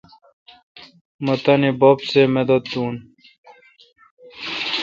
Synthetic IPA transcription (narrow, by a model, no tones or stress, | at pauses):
mɐt̪ɐnibopsemed̪ɐt̪d̪uːn